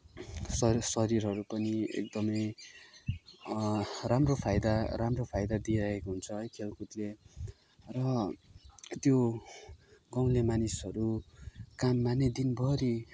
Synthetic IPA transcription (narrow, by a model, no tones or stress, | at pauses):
sʌsʌɾiɾɦʌɾupʌniḛk̚d̪ʌmʌj | ramropʰajd̪aɾamropʰajd̪ad̪iɾʌɦekɦunt͡sʰʌɦʌjkʰelkut̪le | rʌ | t̪jo | ɡʌw̃lemanisɦʌɾukamːaned̪inbʱʌɾi